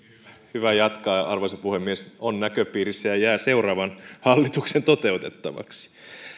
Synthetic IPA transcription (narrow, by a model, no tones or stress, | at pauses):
æhyʋæjɑt̪kɑɑrʋoisɑpuhemːiesonnækøpiːɾisːæjɑjæːse̞urɑːʋɑnhɑlːit̪uksent̪ot̪e̞ut̪et̪ːɑʋɑ̰ksi̥